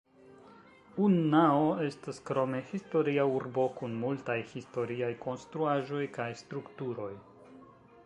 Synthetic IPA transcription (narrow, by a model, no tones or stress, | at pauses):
unːaoe̞staskɾo̞me̞histo̞ɾiauɾbo̞kunmultajhisto̞ɾiajko̞nstɾuaʒo̞jkajstɾuktuɾo̞j